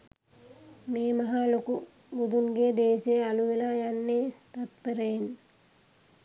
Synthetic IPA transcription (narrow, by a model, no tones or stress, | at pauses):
meːmaɦaloku | bud̪uŋɡeːd̪eːsejəaluʋelaːjanːet̪at̪pəɾəjen